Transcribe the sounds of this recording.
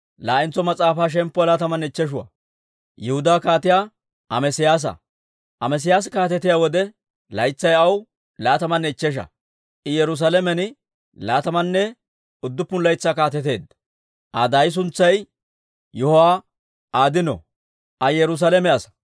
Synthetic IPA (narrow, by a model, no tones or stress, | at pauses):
laːʔɪnt͡sːɔmɐt͡sʼaːfaːʃ̬ɛmpːɔlaːt̪ɐmɐnɛɪt͡ʃːɛʃ̬ʊwɐ̰ | jɛhʊd̪aːkaːt̪ɪjaː | ʔɐmɛsɪjaːs̬ɐ̰ | ʔɐmɛs̬ɪjaːs̬kaːt̪ɛt̪ːɪjawɔd̪ɛ | lɐjt͡sːɐjɐw | laːt̪ɐmɐnːɛɪt͡ʃːɛʃ̬ɐ̰ | ʔɪjɛɾʊs̬alɛmɛnɪ | laːt̪ɐmɐnːɛ | ʊd̪ːʊpːʊnlɐjt͡sːaːkaːt̪ɛt̪̬e̞ːd̪ | ʔɐd̪ɐjs̬ʊnt͡sːɐj | jɔhʊwaː | ʔaːd̪ɪnɔ̰ | ʔɐjɛɾʊs̬alɛmɛɐsɐ̥